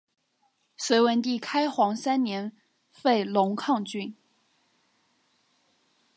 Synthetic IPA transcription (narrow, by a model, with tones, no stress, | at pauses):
swe˧˥ɪwə˧˥nt̪i˥˩kʰa˥ɪxwɑ˧˥ŋsa˥nnjɛ˧˥n | fe˥˩ɪlʊ˧˥ŋkʰɑ˥˧ŋt͡ɕy˥˩n